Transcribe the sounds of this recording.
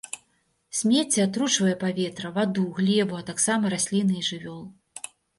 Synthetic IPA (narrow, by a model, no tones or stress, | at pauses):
sʲmʲet͡sʲːɛat̪ɾut͡ʂvɐjɛpavʲɛt̪ɾɐvad̪uɣlʲɛvuɐt̪aksamɐɾasʲlʲinɨʐɨvʲɔlˠ